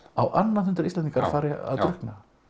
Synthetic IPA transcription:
awʔanːahʏnt̪ʏɾisɛniŋkaɾfaːɾɪa̰ðt̪ɾʏhkna

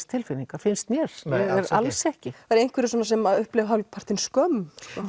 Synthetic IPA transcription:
st̪ʰɪlfɪniŋkafɪnst̪mjɛɾ̥aɛɾalsɛhcɪaɾejnkvɛɾɪs̬ɔːnːasɛmaʏhplɛɣɦalpʰar̥t̪ɪnskœmskɔ

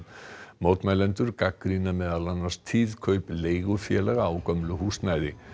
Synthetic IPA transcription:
moːwt̪majlɛnt̪ʏɾkakːɾinamɛːðalanːḁst̪ʰiðkʰœɥpleːjɣʏfjɛlɛɣaaːwkœmlʏɦuːsnajðɪ

